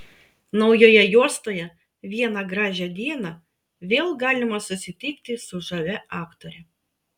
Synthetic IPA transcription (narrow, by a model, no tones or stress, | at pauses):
nɒʊjoːjɛjuɔst̪oːjɛ | ʋʲiɛnɑɡɾɑːʒʲɛd̪ʲiɛnɐ | ʋʲeːlˠɡɑːlʲɪmɐsʊsʲɪt̪ʲɪkt̪ʲɪsʊʒɐʋʲɛɑːkt̪oːɾʲɛ